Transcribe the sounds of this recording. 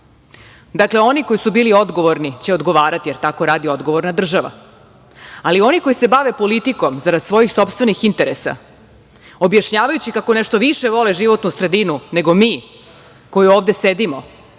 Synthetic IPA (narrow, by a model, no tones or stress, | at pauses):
d̪akle̞o̞niko̞jisubiːlio̞d̪ɡo̞ʋoɾnit͡ɕeod̪ɡo̞ʋaːɾat̪ije̞ɾt̪ako̞ɾaːd̪io̞d̪ɡoʋo̞ɾnad̪r̩ʒaʋa̰ | alio̞niko̞jise̞baʋepo̞lit̪iko̞mzaɾad̪sʋo̞jixso̞pst̪ʋe̞nixint̪e̞ɾesa̰ | o̞bjaʃɲaːʋajut͡ɕikako̞neʃt̪o̞ʋiʃeʋo̞leʒiʋo̞t̪nusɾe̞d̪inune̞ɡo̞miː | ko̞juoːʋd̪e̞sed̪imo̞